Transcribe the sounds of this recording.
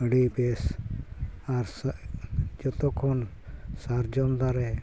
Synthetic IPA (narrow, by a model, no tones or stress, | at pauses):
əɽibes | aɾs | d͡ʒɔt̪ɔkʰɔn | saɾd͡ʒɔmd̪aɾɛ